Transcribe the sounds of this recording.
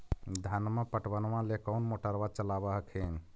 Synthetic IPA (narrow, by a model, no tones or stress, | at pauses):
d̪ʱanməpəʈbənmãlekəwnmoʈəɾbat͡ʃəlabəɦkʰen